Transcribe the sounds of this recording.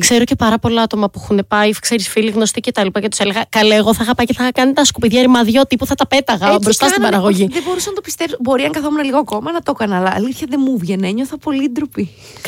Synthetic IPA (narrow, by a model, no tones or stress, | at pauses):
kse̞ɾoce̞pɐɾɐpo̞lɐɐt̪o̞mɐpuuxunepɐikse̞ɾisfiliɣno̞st̪ice̞t̪ɐlipɐcet̪u̥se̞le̞ɣɐkɐloeɣo̞θɐexɐpɐjceθɐxɐkɐnit̪ɐskupiðʝɐɾimɐðʝot̪ipuθɐt̪ɐpe̞t̪ɐɣɐbɾo̞st̪ɐst̪ibɐɾɐɣoʝiðebo̞ɾusɐnɐt̪opi̥st̪e̞vsbo̞ɾiɐŋɡɐθo̞munɐliɣoɐko̞mɐnɐt̪o̞kɐnɐːlɐːliθçɐðemuvʝeneɲo̞θɐpo̞lid̪ɾupi